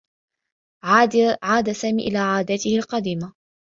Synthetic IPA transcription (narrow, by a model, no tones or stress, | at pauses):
ʕaːd̪asaːmḭːʔɪlaːʕaːd̪at̪ɪhalqɑd̪iːma